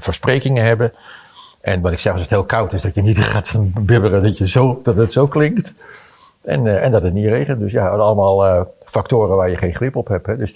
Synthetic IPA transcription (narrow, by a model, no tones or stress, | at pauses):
fəːɹsprejkɪŋəɦɛbə | ʔɛnʋɑtɪksɛrsəthɪːlˠkʰawtɪsdɑtjənitχatnbɪbərədɔtjəzowd̥ɑtətsowklɪŋkt | ɛ̰nɛndɑtətnirejχəntdøsjaɑlˠəmaːlˠəfaktoːɾəʋaːɹjəχejnχlɪpɔpɦɛpɦɛdøs